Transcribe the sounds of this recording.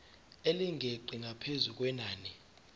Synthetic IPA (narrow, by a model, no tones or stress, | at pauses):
eliŋʱeǃʱiŋapʰezuk̬ʼwɛnaːni